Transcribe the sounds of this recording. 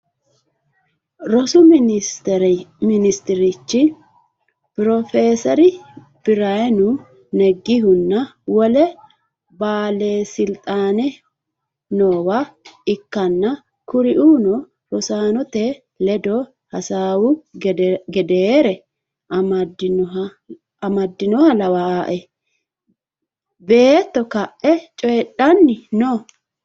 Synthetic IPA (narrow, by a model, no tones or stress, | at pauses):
ɾɔsʊ | ɾmɪnɪst̪ɪɾɪt͡ʃːɪ | pɪɾɔfeːsɔɾɪ | b̥ɪɾɐjɛnʊ | nɛɡːɪɦʊnːɐwɔlɛ | baːleːsɪlt̪ʼaːnɛ | noːwaɪkːɐnːɐ | kʊɾɪʔuːnɔ | ɾɔsaːnɔt̪ɛ | lɛd̪ɔ | hɐsaːwʊ | ɡɛd̪eːɾɛ | ʔɐmɐdɪn | ɐmɐd̪ːɪnɔhɐlɐwaaːʔɛ | beːt̪ːɔkɐʔːɛt͡ʃʼɔjɛɗɐnːɪno